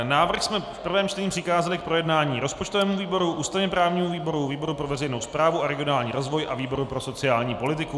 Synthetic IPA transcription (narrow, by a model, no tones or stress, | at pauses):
naːvr̩xsmɛfpr̩vɛːmt͡ʃlɛɲiːpr̥ɪxaːzɛlɪk̚pɾo̞jɛdnaːɲiːɾo̞spot͡ʃt̪ovɛːmuviːbo̞ɾuʔuːst̪avɲɛpɾaːvɲiːmuviːbo̞ɾuviːbo̞ɾupɾo̞vɛrɛjnowspɾaːvuʔaɾɛɡɪonaːlɲḭːɾo̞zvo̞jʔaviːbo̞ɾupɾo̞so̞t͡sɪaːlɲiːpo̞lɪt̪ɪku